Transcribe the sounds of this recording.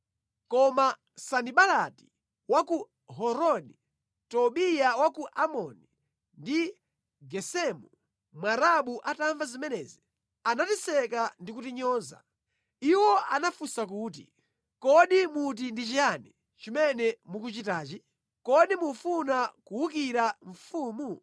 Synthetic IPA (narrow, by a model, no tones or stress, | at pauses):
kɔma | saniɓalati̥ | waku | ɦɔɾɔni | tɔɓijawakuʔamɔni | ndi | ɡɛsɛmu | mwaɾaɓuʔataɱvazimɛnɛːzi | anatisɛkandikutiɲɔːza̰ | iwɔanafusak̬uːt̬ḭ | kɔɗimut̬indit͡ʃianɛ | t͡ʃimɛnɛmukut͡ʃitaːt͡ʃi | kɔɗimufunakuwukiɾaɱ̩fuːmu